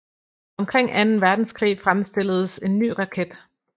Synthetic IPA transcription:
ɒ̽mkʰʁeŋ̰ʔænn̩ʋæɐd̥n̩skʰʁḭːfʁamsd̥e̝l̰əð̞̩ˠəse̝nːy̰ːʁɑ̈kʰed̥

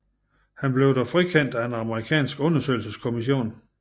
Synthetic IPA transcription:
hænb̥le̝ʊɾæfʁikʰen̰d̥æenɑ̈məʁikʰɛ̰ːnsɡ̥ɔ̽nɐsø̰ɪlsəskʰo̝miɕ̬o̝̰ːn

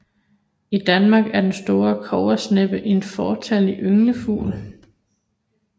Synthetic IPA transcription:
id̥ænmɑ̈ːɡ̥æɐd̥ensd̥o̝ːɐkʰɒʊ̰ɐsneb̥əʔe̝nfɒːt͡sʰæliʔøŋləfṵːl

